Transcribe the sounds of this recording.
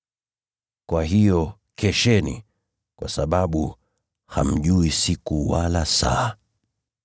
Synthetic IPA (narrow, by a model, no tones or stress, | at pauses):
kwaɦijɔ | kʰɛʃɛnḭ | kwa̰saɓaɓu | ha̰m̩ʄuisikuwalasa̰ː